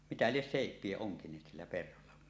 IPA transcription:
mitæ lies seˑipˑie oŋkinˑeːt silːæ perholːɑ kun

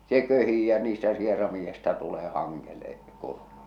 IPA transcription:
se køhiː jɑ niːstæ sierɑmiːj̆ĕstɑ tuleː hɑŋːele kurmujɑ

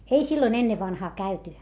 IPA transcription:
ei silːoĭn enːeʋːɑnhɑː kæyty

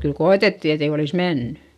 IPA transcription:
kyl koetetːi etei olis menːẙ

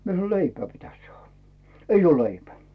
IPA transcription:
mie sɑno leipæː pitæs sɑːhɑ̥ eij oː leipæ

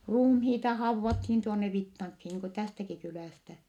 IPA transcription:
ruːmhiːtɑ hɑuʋːɑthiːn tuonːe ʋitːɑŋkhi niːŋ ku tæstæki kylæˑstæ

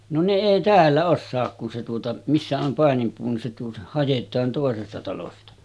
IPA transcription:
no ne eˑi tæːlːæ osːɑːk kun se tuotɑ misːæ om pɑˑenimpuː ni se tuotɑ hɑjetˑɑːn toˑesestɑ tɑlostɑ

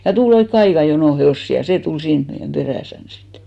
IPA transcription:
jɑ tul oikːe ɑikɑ jonoˑ heoˑsːi jɑ seː tul siːn meijæm b̥eræˑsæn sitːe̥

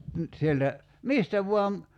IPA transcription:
nyt sieltæ mistæ ʋuɑm

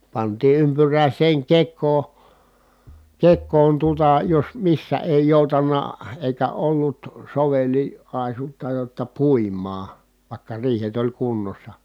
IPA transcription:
pɑntiː ympyræˑisˑeːŋ kekˑoː kekˑoːn tuotɑ jos misːæ eˑi joˑutɑnːɑ eˑikæ olːut soʋeli ɑˑisutːɑ jotːɑ puˑimˑɑː ʋɑˑi̯kːɑ riːhet olʲ kunːosːɑ

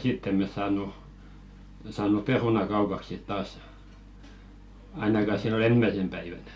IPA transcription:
sitː em̆ mes sɑːnˑu sɑːnˑu perunɑ kɑupɑk sit tɑːs ɑinɑkɑ silːon ensmæĭsem pæiʋænæ̥

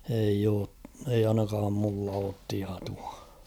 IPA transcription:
eij oː eij̆ ɑinɑkɑːm mulːɑ oːt tiɑtuɑ

